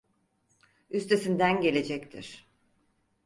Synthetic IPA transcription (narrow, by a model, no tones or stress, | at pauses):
yst̪ʰe̞sind̪ænɟe̞lʲe̞d͡ʒɛct̪ʰiɾ̥